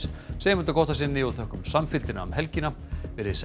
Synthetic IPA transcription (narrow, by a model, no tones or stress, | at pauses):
seːjmʏnt̪akʰɔht̪asɪnːɪɔɣθœhkʏmsamfɪlt̪ɪna̰ʏmhɛlcɪna | vɪɾes